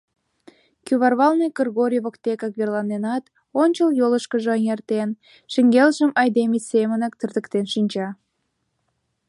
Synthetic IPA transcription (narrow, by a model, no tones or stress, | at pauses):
kyβɑrβɑlnəjkərɣoɾʲiβokt̪ekɑkβerlɑnenɑt̪ | onʲt͡ɕəljoləʃkəʒeəŋert̪en | ʃəŋɡelʒəmɑjd̪emisemənək̚t̪ərd̪əkt̪enʃinʲt͡ɕɑ